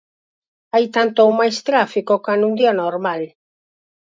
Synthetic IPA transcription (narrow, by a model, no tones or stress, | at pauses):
ajt̪ant̪oumajst̪ɾafikokanũnd̪ianoɾmal